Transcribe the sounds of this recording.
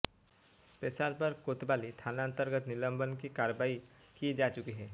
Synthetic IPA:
speːsaːɾpɐɾkoːt̪baːlit̪ʰaːnaə̃nt̪əɾɡət̪nɪlə̃mbənkikaːɾəbaːi | kid͡ʒaːt͡ʃʊkiɦɛː

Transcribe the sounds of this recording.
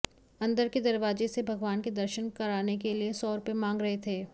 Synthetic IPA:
ɐ̃nd̪əɾked̪ɐɾʋaːzesebʱɐɡʋaːnked̪ɐɾʃənkɐɾaːnekeliesɔːɾʊpemãːŋɡɾɐɦet̪ʰeː

